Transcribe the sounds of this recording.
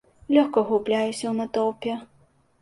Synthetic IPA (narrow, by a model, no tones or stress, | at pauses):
lʲɔxkɐɣublʲajusʲɐwnɐt̪ɔwpʲɛ